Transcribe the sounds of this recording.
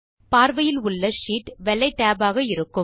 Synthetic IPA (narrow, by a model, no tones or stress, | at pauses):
paːɾʋɐjɪlʊɭːɐʂiːʈʋɛlːɐɪʈːaːbaːɣɐɪɾɯkːɯ